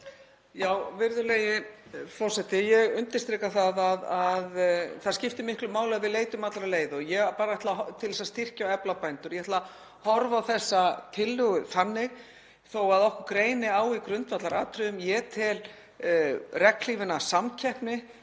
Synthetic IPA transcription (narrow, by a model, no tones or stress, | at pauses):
jaːwvɪɾðʏleːjɪfɔr̥sɛt̪ɪjɛɣʏnt̪ɪ̥st̪ɾiːkaθaðaðaðθaðscɪft̪ɪmɪhklʏmaːwlɪaðvɪðleːjt̪ʏmat̪laɾaleːjðɔjɛpaːɾaɛht̪lat̪ʰɪlθɛsast̪ɪr̥cawɛplapajnt̪ʏɾjɛhɛt̪la | hɔɾvawθɛsːat̪ʰɪlːʏɣʏθanːɪɣ | θowaðɔhkʏkɾeːjnɪaːwikɾʏnt̪vat̪laɾaːt̪ʰɾʏðʏmjɛt̪ʰɪl | rɛkl̥iːvɪnasamcʰɛhpnɪ